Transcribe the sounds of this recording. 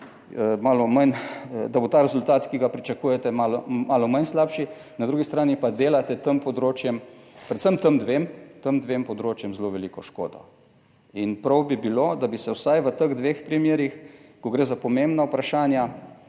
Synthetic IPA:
əmaːlɔmand̪abot̪aːɾɛzʊlt̪aːt̪kiɡapɾit͡ʃɐkuːjɛt̪ɛmalɔmaːlɔmajnslaːpʃi | nad̪ɾuːɡist̪ɾaːnipad̪eːlat̪ɛt̪əmpɔd̪ɾoːt͡ʃjɛmpɾɛt̪səmt̪əmd̪ʋeːmt̪əmd̪ʋempɔd̪ɾoːt͡ʃjɛmzloʋɛlikɔʃko̰ːd̪ɔ̰ | inpɾɐwbibilod̪abisɛwsajʋət̪əɣd̪ʋeːxpɾimjeːɾixkɔɡɾeːzapɔmembnawpɾaʃaːnja

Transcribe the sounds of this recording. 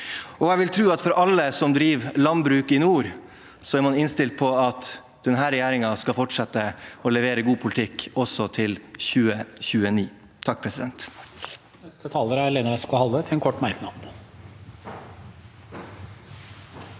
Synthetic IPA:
ɔɛʋɪlt̪ʰɾʉːɑt̪fɔɾʔɑlːəsɔmd̪ɾiːʋlɑnbɾʉːkɪnuːɾ | sɔæɾmɑnɪnst̪ɪlt̪̚pʰɔɑt̪ | d̪ɛnɦæːɾɛjæːɾɪŋɑskɑfɔʈʂɛt̪ːəɔlɛʋeːɾəɡuːpʰʊlɪt̪ʰɪkːɔsɔt̪ʰɪlçʉːəçʉːəniː | t̪ʰɑk̚ːpʰɾɛsɪd̪ɛnt̪ | nɛst̪ət̪ʰɑːləɾæɾleːnəɾɛskʊhɑlət̪ʰɪɛnkʰɔʈːmæɾknɑd̪

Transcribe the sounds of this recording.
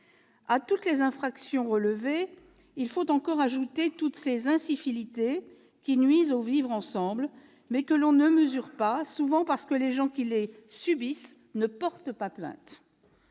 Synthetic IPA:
at̪ut̪lezɛ̃fχaksjɔ̃ʁələve | ilfot̪ɑ̃kɔʁaʒut̪et̪ut̪sezɛ̃sifilit̪e | kʲinɥizovivʁɑ̃sɑ̃bl | mɛkəlɔ̃nəməzyʁpasuvɑ̃paʁsə̥kəleʒɑ̃kʲile | sybis | nəpɔʁt̪əpaplɛ̰̃t̪

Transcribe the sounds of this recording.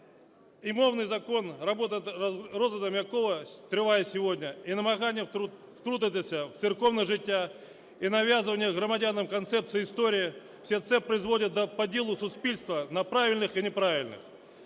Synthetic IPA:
ɪmo̞vnɨjzɐko̞nrɐbo̞t̪ənrozəd̪əmʲjɐko̞vət̪ʲɾɨvajəsʲɪvo̞dʲnʲəinəmɐɣanʲɪjə | ft̪ɾud̪ət̪ʲəsʲəft̪sɨrko̞vnəʐɨtʲːa | inɐvʲazɨvənʲɪjəɣɾəmɐdʲanəmkɐnt̪sɛpt̪sɨɪɪst̪oɾʲɪɪ | fsʲet̪sɛpɾəɪzvo̞dʲɪt̪̚d̪əpɐdʲelˠʊsʊspʲilʲst̪vənɐpɾavʲɪlʲnɨxinʲɪpɾavʲɪlʲnɨ̰x

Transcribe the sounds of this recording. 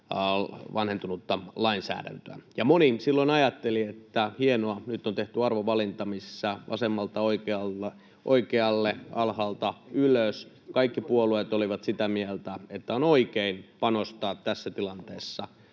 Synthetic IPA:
ʋɑnhent̪unut̪ːɑlɑinsæ̰ːɾæ̰nt̪øæ̰jɑmonisilːoinɑjɑt̪ːeliet̪ːæhienoɑnyt̪ːont̪eht̪yɑrʋoʋɑlint̪ɑmissːæʔɑ̰semːɑlt̪ɑoikeɑl | ʔo̰ikeɑlːeʔɑlhɑlt̪ɑyløs | kɑikːipuoluet̪oliʋɑt̪sit̪æmielt̪æet̪ːæonoikeinpɑnost̪ɑːt̪t̪æsːæt̪ilɑnt̪eːsːɑ

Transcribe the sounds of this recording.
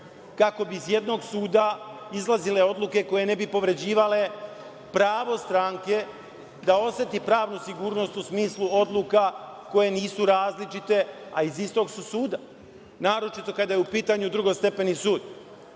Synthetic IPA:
kako̞biːzje̞d̪no̞ɡsuːd̪aizlˠazile̞o̞d̪luke̞ko̞je̞ne̞bipo̞ʋɾe̞d͡ʑiːʋale̞ | pɾaːʋo̞st̪ɾaŋke̞ | d̪ao̞sʋe̞t̪ipɾaːʋnusiɡuːɾno̞st̪usmiːslˠuo̞d̪lˠukako̞je̞niːsuɾaːzlit͡ʃit̪e̞aizist̪o̞ɡsusuːd̪a | naːɾo̞t͡ʃit̪o̞kad̪ajeupiːt̪aɲud̪ɾuɡo̞st̪e̞pe̞nisuːd̪

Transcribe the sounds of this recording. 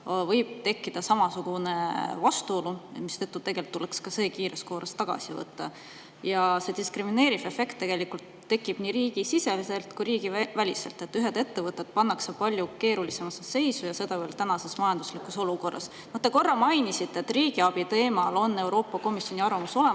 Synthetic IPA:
vɤjb̥̚t̪e̞kˑːid̪̥ɑsɑmɑsuɡ̥une̞vɑst̪uo̞lumist̪et̪ːut̪e̞ɡe̞lt̪ːulekskɑse̞ːkiːɾeskoːɾest̪ɑɡ̥ɑ̰sivɤ̰t̪ːɑ̰ | jɑse̞d̪iskrimine̞ːɾive̞fe̞kt̪ːe̞ɡ̥e̞likult̪ːe̞kːˑib̥niːɾiːɡ̥isise̞liselt̪kujɾiːɡ̥ivælʲise̞̰lt̪ːˑe̞t̪ːyɦed̪e̞t̪ːe̞vɤt̪ːˑet̪̚pɑnːɑksepɑlʲjuke̞ːɾulise̞mɑsese̞jsujɑse̞d̪ɑveːlt̪ænɑse̞smɑjɑnd̪̥uslikːuso̞luko̞rːɑ̰s | not̪ːe̞ko̞rːɑmɑjnisit̪ːˑet̪ːriːɡ̥iɑb̥it̪e̞ːmɑlo̞nːe̞wɾo̞ːpˑːɑko̞misjo̞niɑrvɑmuso̞le

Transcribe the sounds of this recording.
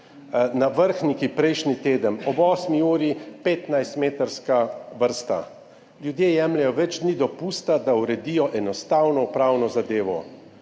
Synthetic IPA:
naʋəɾxnikipɾɛjʃnit̪eːd̪ənɔbɔːsmiuːɾipeːt̪najst̪meːt̪əɾskaʋəɾst̪a̰ | lʲjud̪jeːjɛːmlɛjɔʋɛd͡ʒd̪nid̪ɔpuːst̪ad̪auɾɛd̪ijɔʔɛnɔst̪awnɔupɾaːwnɔzad̪eːʋɔ

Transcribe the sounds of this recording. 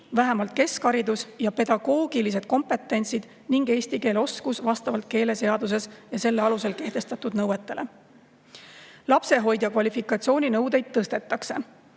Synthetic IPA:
væɦemɑlt̪̚ke̞skɑɾid̪usjɑpe̞d̪ɑɡ̥o̞ːɡ̥ilise̞d̪̥̚ko̞mpe̞t̪ːˑe̞nʲsid̪̥ | niŋɡe̞ːsʲt̪ike̞ːleo̞skusvɑst̪ɑvɑlt̪̚ke̞ːle̞se̞ɑd̪us̬e̞sjɑse̞lːeɑluse̞lke̞ht̪e̞st̪ɑt̪ˑud̪nɤwet̪ːˑe̞le̞ | lɑpse̞ɦo̞jd̪̥jɑkvɑlʲifikˑɑt̪sio̞ːnʲinɤwd̪ejd̪̥̚t̪ːɤst̪e̞t̪ːˑɑkse̞

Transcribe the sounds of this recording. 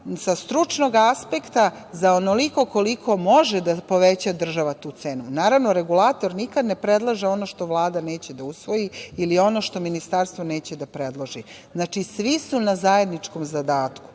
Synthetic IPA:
sast̪ɾut͡ʃno̞ɡaspekt̪a | zaonoliko̞ko̞likʰo̞mo̞ʒed̪apo̞ʋet͡ɕad̪r̩ʒaʋat̪uːt̪seːnunaːɾaʋno̞ɾeɡulaːt̪o̞ɾnikad̪ne̞pɾed̪lˠaʒeo̞no̞ʃt̪o̞ʋlˠaːd̪aneːt͡ɕed̪ausʋo̞jiilio̞no̞ʃt̪o̞minist̪aɾst̪ʋo̞ne̞ːt͡ɕed̪apɾed̪lˠoʒi | znat͡ʃisʋisunazaje̞d̪nit͡ʂko̞mzad̪aːt̪ku̥

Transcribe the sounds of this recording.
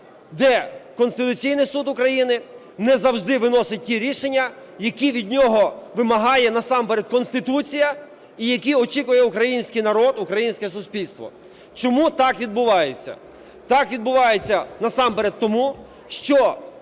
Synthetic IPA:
d̪ɛkɔnst̪ɪt̪ʊt͡sʲijnɪjsud̪ʊkɾɐjinɪ | nɛzɐwʒd̪ɪʋɪnɔsɪt̚ʲtʲiɾʲiʃenʲːɐjɐkʲiʋʲid̪ʲnʲɔɦɔʋɪmɐɦɑjɛnɐsɑmpeɾed̪̚kɔnst̪ɪt̪ut͡sʲijɐ | ijɐkʲiɔt͡ʃikʊjɛukɾɐjinʲsʲkɪjnɐɾɔd̪ukɾɐjinʲsʲkɛsʊspʲilʲst̪ʋɔ̰ | t͡ʃɔmut̪ɑkʋʲid̪̚bʊʋɑjet͡sʲːɐ̰ | t̪ɑkʋʲid̪̚bʊʋɑjet͡sʲːɐnɐsɑmpeɾet̪̚t̪ːɔmu | ʃt͡ʃɔ

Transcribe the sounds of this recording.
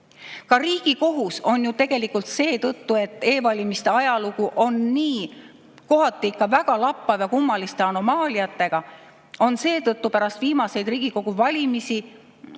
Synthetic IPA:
kɑɾiːɡ̥iko̞ɦuso̞njut̪e̞ɡ̥e̞likult̪se̞ːt̪ɤt̪ːue̞t̪ːˑe̞ːvɑlʲimist̪e̞ɑjɑlukuʔo̞nːiː | ko̞ɦɑt̪ːˑiikːɑvæɡ̥ɑlɑpːˑɑvjɑkumːɑlist̪e̞ɑno̞mɑːlʲiɑt̪ːˑe̞ɡ̥ɑ | o̞nse̞ːt̪ɤt̪ːˑupæɾɑst̪v̥iːmɑse̞jd̪riːɡ̥iko̞ɡ̥uvɑlʲimisi

